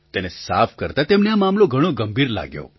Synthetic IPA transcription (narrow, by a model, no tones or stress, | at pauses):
t̪enesa̰fʰkəɾt̪at̪emneamamloɡʱəɽ̃õɡəmbʱiɾla̰ɡjo̰